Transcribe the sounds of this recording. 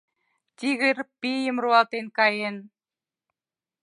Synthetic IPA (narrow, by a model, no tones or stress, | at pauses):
t̪ʲiɣɘrpijə̆mruɑlt̪enkɑjen